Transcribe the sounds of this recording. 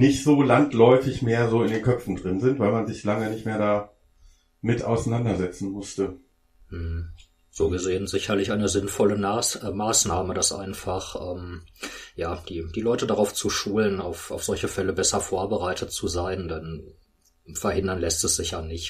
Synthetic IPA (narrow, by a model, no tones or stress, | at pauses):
nɪçtz̥oːlantlɔʏfɪçmeːɐzoːɪndeːnkʰœpp͡fn̩dʁɪnzɪntv̥aɪlmanzɪçlaŋənɪçtmeːɐdaː | mɪta̰ʊsanandɐzɛt͡sn̩mʊstə | m̩h̩ | z̥oːɡəzeːənzɪçɐlɪçʔaɪnəzɪnfɔlənamaːsnaːmədasʔa̰ɪnfaχʔɛːm | jaːd̥iːd̥iːlɔʏtədaʁaʊft͡suʃuːlənaʊfaʊfz̥ɔlçəfɛləbɛsɐfoːɐbəʁaɪtʰət̚t͡suzaɪndɛn | fɛɐhɪndɐnlɛstɛsz̥ɪçjaːnɪç